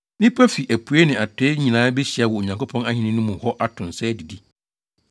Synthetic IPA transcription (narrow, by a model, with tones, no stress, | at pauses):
nɪ̃˦pʰæ˦fi˨ʔæ˨pʰu˨e˦nɪ̃˨a˨tʰe˦ɲĩ˨nãː˨˦bɛ˦ɕi˨a˨wɔ˨o˨ɲã˨ŋkʰo˦pʰɔ̃˦na˦hɪ̃˨nɪ̃˦nʊ̃˦mũ˨hɔ˦ʔa˦tʰʊ̃˨n˨sɛ˦di˨di˦